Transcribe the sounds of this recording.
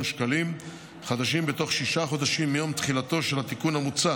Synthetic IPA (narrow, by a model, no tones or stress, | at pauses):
mʃkalim | χad̪aʃimbet̪o̞χʃiʃaχo̞d̪aʃimːejo̞mt̪χilat̪o̞ʃelat̪ikunamut͡sa